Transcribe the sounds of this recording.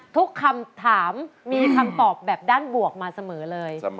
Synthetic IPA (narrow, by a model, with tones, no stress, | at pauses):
t̪ʰu˦˥kʰːa˧mt̪ʰaː˩˦mːiː˧kʰa˧mt̪ɔː˨˩p̚bɛː˨˩p̚daː˥˩nbu˨˩ək̚maː˧sa˧mɤː˩˦lɤː˧j